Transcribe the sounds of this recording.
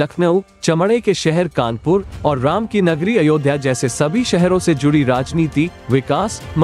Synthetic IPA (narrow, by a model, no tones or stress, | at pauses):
ɐkʰnəʊ | t͡ʃɐmɽekeʃɛɦɛɾkaːnpʊɾɔːɾːaːmkinɐɡɾiɐjoːd̪ʱjad͡ʒɛːsesɐbʱiʃɛɦɾõsed͡ʒʊɽiɾaːd͡ʒniːt̪i | ʋɪkaːsm